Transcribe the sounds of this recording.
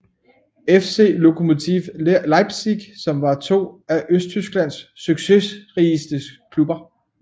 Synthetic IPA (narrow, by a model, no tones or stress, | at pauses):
efse̝̰ːlo̝kʰo̝mo̝t͡sʰiʋlɑ̈ɪb̥siɡ̥sɒ̽mʋɑ̈t͡sʰo̝̰ːæʔøsd̥̚t͡sʰysɡ̥læn̰sːyɡ̥se̝ʁiisd̥əskʰlub̥ɐ